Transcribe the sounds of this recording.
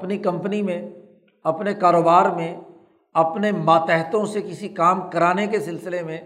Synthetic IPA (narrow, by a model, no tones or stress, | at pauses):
pnikɐ̃mpnimẽ | ɐpnekaːɾoːbaːɾmẽ | ɐpnemaːt̪ɛːɦt̪õsekɪsikaːmkɐɾaːnekesɪlsɪlemẽ